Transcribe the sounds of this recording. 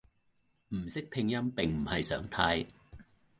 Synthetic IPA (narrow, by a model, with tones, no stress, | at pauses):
m̩˨˩sɪ˥k̚pʰɪ˧ŋjɐ˥mpɪ˨ŋm̩˨˩hɐ˨jsœː˨˥ŋt̪ʰaː˧j